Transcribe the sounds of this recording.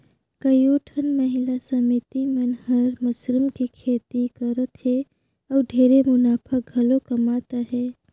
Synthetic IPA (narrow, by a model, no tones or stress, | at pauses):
kəjoːʈʰənməɦɪlasəmit̪imənɦəɾməsɾɪmkikʰeːt̪ikəɾət̪ɦe | ɔːɖʱeɾemʊnaːpʰək̚ɡʱɐlokəmaːt̪aɦɛː